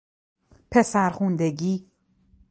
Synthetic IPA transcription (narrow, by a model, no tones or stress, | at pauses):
pʰe̞sæɾxund̪eɟiː